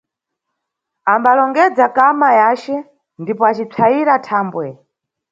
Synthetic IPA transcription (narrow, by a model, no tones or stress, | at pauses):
ambalɔŋɡɛd͡zakamajaːt͡ʃɛ | ndipɔat͡ʃit͡sʰaiɾatʰaːmbwɛ